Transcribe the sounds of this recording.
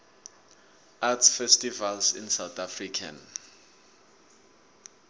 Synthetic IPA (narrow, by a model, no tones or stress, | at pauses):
atsfɛstivalsḭnsawt̪ʰafrikʰa̰n